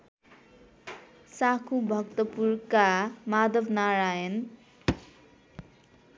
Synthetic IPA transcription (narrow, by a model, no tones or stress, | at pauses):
sakʰubʱʌkt̪ʌpurkamad̪ʱʌbnaɾajʌn